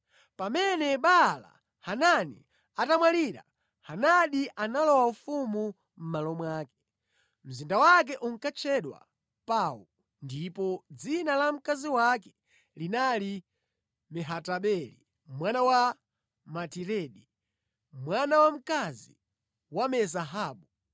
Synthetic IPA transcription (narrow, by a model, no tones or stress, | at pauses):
pamɛnɛɓala̰ | hananḭ | atamwaliɾa̰ | hanaɗiʔanalɔwaufumu | m̩malɔmwaːkɛ̥ | m̩zindawak̬ɛʔuŋ̩kat͡ʃʰɛɗwa̰ | pawul | ndipɔd͡zinalam̩kaziwakɛ̥ | linali | mɛɦataɓɛlḭ | mwanawa | matiɾɛɗi | mwanawam̩kazḭ | wamɛzaɦaːɓu